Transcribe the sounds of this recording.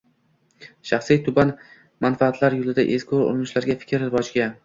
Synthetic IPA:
ʃaχsijt̪ʰʊban | manfaːt̪ʰlaɾjolɪd̪aʔezkʲʰoɾo̰ɾɪnɪʃlaɾɡʲafɪ̥kʲʰɾɪbɒd͡ʒɡʲa

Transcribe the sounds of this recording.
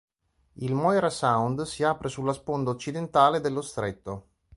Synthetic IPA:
ilmɔjɾasawnd̪siaːpɾesulːaspond̪aot͡ʃːid̪ent̪aːled̪elːost̪ɾet̪ːo

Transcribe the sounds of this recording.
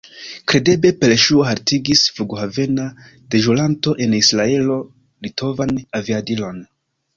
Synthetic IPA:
kɾe̞de̞be̞pe̞lʃuoɦaɾtiɡisfuɡohave̞na | d̥e̞ʒulanto̞ʔe̞nisɾae̞lo̞ | litʰo̞vanaviadilo̞n

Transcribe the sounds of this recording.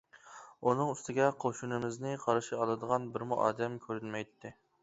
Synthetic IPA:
unɨŋyst̪ʰɪɡʲɛqʰoʃunɪmɪznɪqʰɑɾɨʃiɑlˠɨd̪əʁɑnbɪɾmuʔɑ̰ːd̪ɛmkʲʰøɾynmɛjt̪ʰːɪ

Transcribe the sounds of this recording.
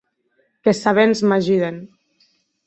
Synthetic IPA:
kesaβenzmaʒiðen

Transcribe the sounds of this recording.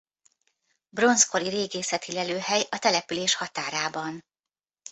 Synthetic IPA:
bro̞nsko̞ɾiɾeːɡeːsɛt̪ilɛløːɦɛjɒt̪ɛlɛpyleːʃhɒt̪aːɾaːbɒn

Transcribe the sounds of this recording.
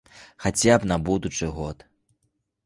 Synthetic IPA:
xat͡sʲapnɐbud̪ut͡ʂɨɣɔt̪

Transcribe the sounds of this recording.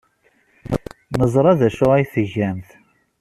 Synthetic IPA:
nəzˤɾˤɑðæʃʊʁæjθəʝæmθ

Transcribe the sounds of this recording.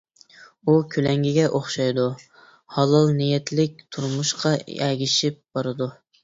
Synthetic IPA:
ukʲʰylɛŋɡʲiɡʲɛʔoχʃɑjd̪u | hɑlˠɑlˠnijɛt̪lɪk̚ʲt̪ʰuɾmuʃqʰɑ̰ɛɡʲiʃɪp̚b̥ɑɾɨd̪u

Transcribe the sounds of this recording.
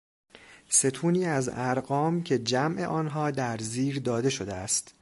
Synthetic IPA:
se̞t̪ʰuːniːæzæɾɢɒːmcʲʰe̞d͡ʒæmʔe̞̰ʔɒːnɦɒːd̪æɾziːɾd̪ɒːd̪e̞ʃod̪eæst̪

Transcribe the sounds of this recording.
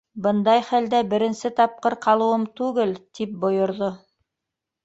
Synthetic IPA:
bɤnd̪ɑjχæld̪æbɘ̆ɾɘ̆nsɘt̪ɑp̚qɤɾqɑlˠɤ̆wɤmt̪ʉɡɘlt̪ip̚bŏjŏɾðo

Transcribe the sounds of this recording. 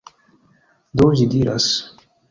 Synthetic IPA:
d̪oːzid̪iɾa̰s

